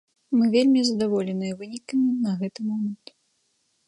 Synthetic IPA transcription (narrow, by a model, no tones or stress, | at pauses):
mɨvʲelʲmʲizɐd̪avɔlʲɛnɨjɐvɨnʲikɨmʲnɐɣɛt̪ɨmɔmɐnt̪